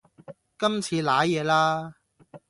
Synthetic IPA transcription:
kɐ˥mt͡sʰiː˨˧laː˨˥jɛː˨˧laː˥

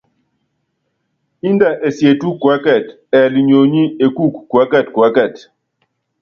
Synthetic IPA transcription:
i˦nda˨ʔe˨sje˨tu˦kwa˨˦kɛ˦˨t | ɛ˨li˨ɲo˨ɲi˦e˨ku˦˨kːwa˦ka˦˨tkwa˦kɛ˦˨t

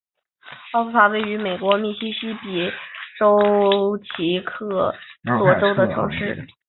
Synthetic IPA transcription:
ɑ˥˧fu˥˩fa˧˥we˥˩ɪy˧˥me˨˩ɪkwɔ˧˥mi˥˩ɕi˥ɕi˥pi˨˩ʈ͡ʂo˥ʊt͡ɕʰi˧˥kʰɤ˥˩t̪wɔ˧˥ʈ͡ʂo˥ʊd̪ə˨ʈ͡ʂʰɤ̰˧˥ŋʂɻ̩˥˩

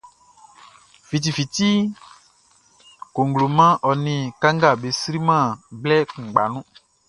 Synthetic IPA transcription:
fi˨t̬i˨fi˨ti˦ | ko˨ŋ˨ɡlo˨mã˦ʔɔ˨nĩ˨kã˦ŋɡa˦˨be˨sɾi˦mã˦˨blɛ˦k̩˨ɡ͡ba˨nũ˦

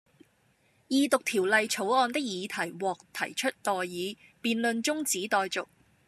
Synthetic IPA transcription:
jiː˨˧t̪ʊ˨k̚t̪ʰiː˨˩wlɐ˨jt͡sʰo˨˥wɔː˧nt̪ɪ˥k̚jiː˨˧t̪ʰɐ˨˩jwɔː˨k̚t̪ʰɐ˨˩jt͡ʃʰɵ˥t̚t̪ɔː˨jːiː˨˧ | piː˨nlɵ˨˧nt͡sʊ˥ŋt͡siː˨˥t̪ɔː˨jt͡sʊ˨k̚

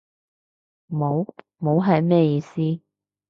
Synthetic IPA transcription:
mo˨˥w | mo˨˥wɦɐ˨jmɛː˥jiː˨˧siː˥

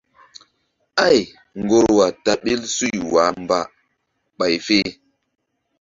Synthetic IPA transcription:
a˦˨j | ŋɡo˦ɾwa˨ta˨ɓi˦lsu˦˨jwa˨˦mba˨ | ɓa˨jfe˦

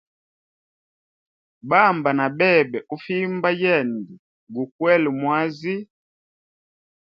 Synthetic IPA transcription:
ba˦˨mba˨na˨bɛ˦˨bɛ˨ʔu˦fi˦mba˦jɛ˦˨ndi˨ | ɡu˨kwɛ˦lmwa˦zi˦

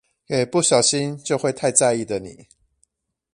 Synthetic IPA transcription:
jɛ˨˩pu˥˨ɕjɑ˨˩ʊɕi˦nt͡ɕjo˥˧ʊxwe˥˧ɪt̪ʰa˥˧ɪt͡sa˥˧ɪi˥˨d̪ə˨nḭ˨˩˦

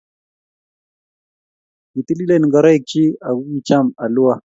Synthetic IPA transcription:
ni˨t̪i˦li˦lɛ˦ni˨ŋɡa˨ɾa˦i˦k̚t͡ʃi˦a˨ɡu˦ɡi˨t͡ʃa˦ma˨lu˦a˦

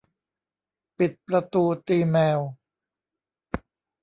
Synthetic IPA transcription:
pi˨˩t̪̚pɾa˧t̪uː˧t̪iː˧mɛː˧w

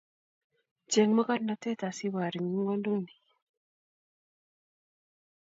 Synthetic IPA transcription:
d͡ʒe˨ŋmə˦ka˦nnːa˨te˦ta˨si˦βa˨ɾi˨ŋi˦ŋɡɔ˦ndo˦ni˨

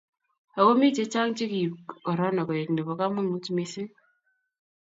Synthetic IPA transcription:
a˨ko˦mi˦t͡ʃe˦t͡ʃa˦ŋt͡ʃi˦ki˨i˨kɔ˨ɾɔ˦na˨kɔ˨je˨kne˨βɔ˨ka˦mʊ˦ŋu˦tme˨˦si˦

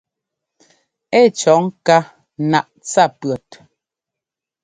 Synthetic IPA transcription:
ɛ˦˨t͡ʃɔ˨˦ŋka˦ | na˨ʔt͡sa˦˨pɰɔ˨t

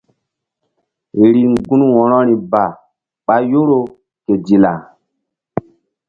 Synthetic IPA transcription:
ɾi˨ŋɡũ˦nwɔ̃˨ɾɔ˦ɾĩ˨ba˨ | ɓa˨jo˦ɾo˦ | ke˨di˨la˨

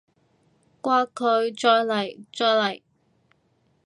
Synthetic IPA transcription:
kʷwaː˧˥kʰɵ˨˧ɥt͡ʃɔː˧jlɐ˨˩jt͡sɔː˧jlɐ˨˩j

